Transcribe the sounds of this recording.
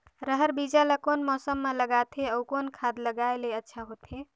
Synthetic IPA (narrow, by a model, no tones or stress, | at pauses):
ɾəɦəɾbid͡ʒalakonmɔsəmːaləɡat̪ʰeəukonkʰad̪ləɡaeleətːʃʰaɦot̪ɦe